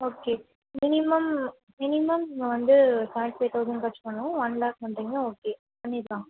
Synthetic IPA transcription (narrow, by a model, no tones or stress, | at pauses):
oːkeː | mɪnɪmɐm | mɪnɪmɐmɪŋɡɐʋɐnd̪ɯsãːɳʈ̚peːt̪ɐʊsɪŋkɐt͡ʃːɯ̥pːɐɳːʊ̃ʋɐnlaːk̚mɐɳʈiŋɡɐoːkeː | pɐɳːɪɾɯkːãːŋɡɐ